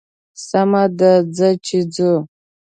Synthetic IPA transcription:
samadad͡zat͡ʃʰid͡zu

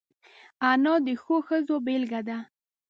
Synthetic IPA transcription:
anɑd̪əxoxəzobelɡad̪a

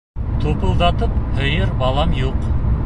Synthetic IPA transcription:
t̪ʰopəlˠd̪ɑt̪əphəjəɾbɑlˠɑmjoq

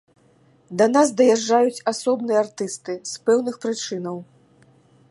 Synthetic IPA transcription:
d̪ɐnazd̪ɐjaʐːajut͡sʲasɔbnɨjɛart̪ɨst̪ɨspɛwnɨxpɾɨt͡ʂɨnɐw

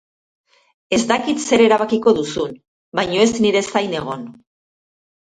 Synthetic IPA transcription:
e̞zd̪akit̪se̞ɾe̞ɾaβ̞akiko̞ðusun | bajɲo̞e̞zniɾe̞sajne̞ɣ̞o̞n

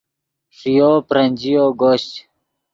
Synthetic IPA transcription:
ʂijoːpɾɐnʲd͡ʑijoːɡoːɕt͡ɕ

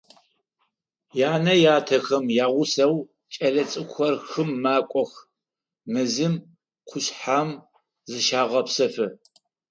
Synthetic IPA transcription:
jaːnɐjaːtʰɐxɐmjaːʁʷʊsɐw | t͡ʃʼɐɮɐt͡sʼɨkʷʰxɐrxɨmːaːkʷʼɔx | mɨzɨm | qʷʰʊɕħaːm | zɨʃaːʁɐpsɐfɨ

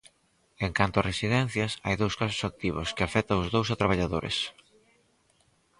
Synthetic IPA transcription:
eŋkant̪oaresiðɛn̟θjɐsa̰jðowskasʊ̥sak̚t̪iβ̞ʊskɪafɛt̪ɐʊzðowsat̪ɾaβ̞aʎaðoɾɪ̰s

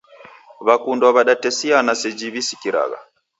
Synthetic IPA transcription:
βakundwaβaɗatɛsianasɛd͡ʒiβisi̥kiɾa̰ɣa̰

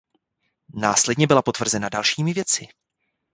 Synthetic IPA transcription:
naːslɛdɲɛbɪlapo̞t̪vr̩zɛnadalʃiːmɪvjɛt͡sɪ

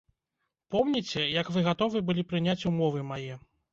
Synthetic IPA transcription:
pɔmnʲit͡sʲɛjɐkvɨɣat̪ɔvɨbɨlʲipɾɨnʲat͡sʲumɔvɨmajɛ

